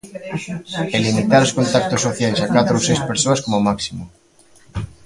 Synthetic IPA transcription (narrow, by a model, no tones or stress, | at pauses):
elimit̪aɾoskont̪ak̚t̪ʊsːoθjajsakat̪ɾosejspeɾsoɐskomomaksimo